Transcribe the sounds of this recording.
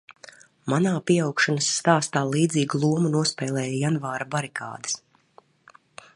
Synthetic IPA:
manaːpiɛawkʃanasːt̪aːst̪aːlˠiːd̪ziːɡulˠuɔmunuɔspɛːlˠɛːjajanvaːɾabaɾikʰa̰ːd̪ɪ̥s

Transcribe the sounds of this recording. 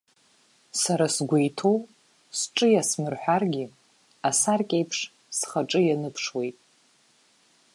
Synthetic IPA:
saɾasɡʷejtʰow | sʈ͡ʂʼɨjasmɨrħʷᶣarɡʲi | asarkʲʼejpʰʂ | sχaʈ͡ʂʼɨjanɨpʰʂwe̞jtʼ

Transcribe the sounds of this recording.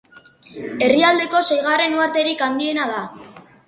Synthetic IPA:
e̞riald̪e̞ko̞sejɣ̞are̞nuaɾt̪e̞ɾikand̪ie̞naða

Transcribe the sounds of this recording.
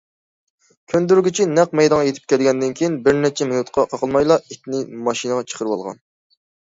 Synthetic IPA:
kʲʰønd̪yɾɡʲit͡ʃʰinɛq̚mɛjd̪ɑŋɑjet̪ʰɪ̥p̚kʲʰɛlɡʲɛnd̪ɪnkʲʰijinbɪɾnɛt͡ʃʰɛmenut̪qʰɑqʰɑqʰəlˠmɑjlˠɑit̪ʲnɪmɑʃinəʁɑt͡ʃʰə̥qʰəɾɨwɑ̰lˠʁɑ̰n

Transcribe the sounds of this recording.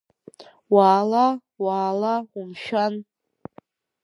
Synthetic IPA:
waːla | waːlaumʃᶣan

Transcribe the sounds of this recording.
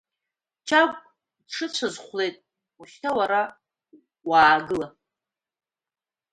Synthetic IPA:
t͡ʃʰaɡʷʼ | dʈ͡ʂʰɨt͡ɕʷʰazχʷle̞jtʼ | uʃtʰawaɾa | waːɡɨla

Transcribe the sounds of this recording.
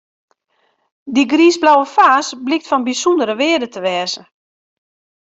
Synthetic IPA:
diɡriːsblawəfaːsblɪktfɔnbisundəɾəʋɪədətəʋɛːzə

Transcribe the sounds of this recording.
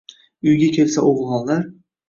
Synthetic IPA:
ʊjɡʲakʲʰe̞lsaʔoʁɨlˠʁɒnlaɾ

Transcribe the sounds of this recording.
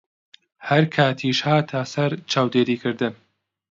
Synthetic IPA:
hɐɾkʰaːt̪ʰiːʃhaːt̪ʰaːsɐɾt͡ʃʰaːwd̪eːɾiːkʰɨɾd̪ɨn

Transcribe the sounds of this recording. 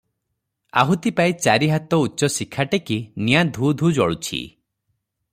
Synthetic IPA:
a̰ɦut̪ipait͡ʃaɾiɦat̪ɔutːt͡ʃɔsikʰːaʈekinijad̪ʱud̪ʱud͡ʒɔɭut͡ʃʰḭ

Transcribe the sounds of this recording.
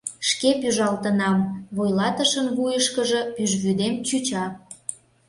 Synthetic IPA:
ʃkepyʒɑlt̪ənɑmβojlɑt̪əʃənβujəʃkəʒə̆pyʒβyd̪emt͡ɕyt͡ɕɑ

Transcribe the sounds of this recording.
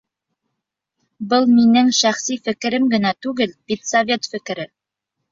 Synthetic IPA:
bɤlˠminɘŋʃæχsifɘ̆kɘ̆ɾɘmɡɘ̆næt̪ʉɡɘlbit̪sɐvʲe̞t̪fɘ̆kɘ̆ɾɘ

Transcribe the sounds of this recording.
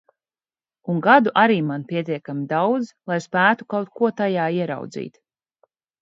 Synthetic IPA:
uŋɡad̪uʔaɾiːmanpʲiɛt̪iɛkamid̪awd̪zlˠajspæːt̪u̥kawt̪̚kuɔt̪ajaːiɛɾa̰wd̪zḭːt̪

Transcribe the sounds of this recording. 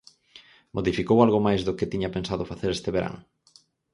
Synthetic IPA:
moðifikowalɣomajzðʊkɪt̪iɲapensaðʊfaθeɾest̪eβeɾa̰ŋ

